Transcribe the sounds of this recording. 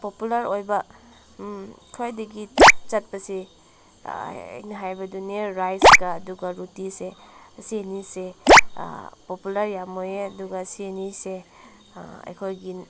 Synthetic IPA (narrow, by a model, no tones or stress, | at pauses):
populaɾojbɐ | kʰojdɐɡit͡ʃɐt̚pɐsḭ | ɐ̰jnɐɦajbɐduneɾajsɡaːduɡɐɾutisesienisḛ | populaɾjamojeɐduɡasienise | ɐ̰jkʰojɡi